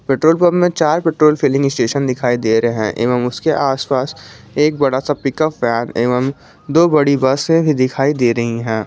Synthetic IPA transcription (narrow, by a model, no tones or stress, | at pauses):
peːʈɾoːlpɐbmẽt͡ʃaːɾpeːʈɾoːlfʰiːlɪ̃ŋɡɪsʈeːʃənd̪ɪkʰaːid̪eːɾɐɦɛ̃ʔḛːʋəmʊskeʔaːspaːs | eːk̚bɐɽasapɪkəpːɛːneːʋəm | d̪oːbɐɽibɐsẽbʱid̪ɪkʰaːid̪eːɾɐɦiɦɛ̃ː